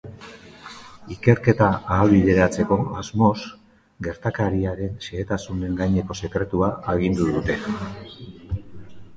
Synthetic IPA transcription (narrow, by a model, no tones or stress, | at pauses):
ike̞ɾke̞t̪aaːβiðe̞ɾat͡se̞ko̞azmo̞s | ɡe̞ɾt̪akaɾiaɾe̞nseːt̪asune̞ŋɡajɲe̞ko̞se̞kɾe̞t̪uaaɣind̪uðut̪e̞